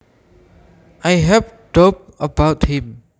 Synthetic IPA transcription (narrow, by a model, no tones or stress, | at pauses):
ʔajɦɛvdop̚əbaʊthĩm